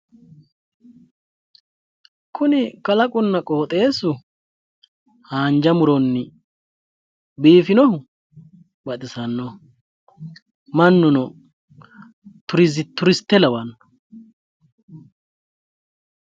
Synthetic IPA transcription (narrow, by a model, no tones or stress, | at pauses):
kʰʊnɪkʼɐlɐkʼʊnːɐkʼɔːt̪ʼe̞ːsʊ | haːnd͡ʒɐmʊɾɔnːɪ | biːfɪnɔhʊ | bɐt̪ʼɪsɐnːɔ | mɐnːʊnɔ | t̪ʊɾɪzɪt̪ːʊɾɪst̪ːɛlɐwɐnːɔ̥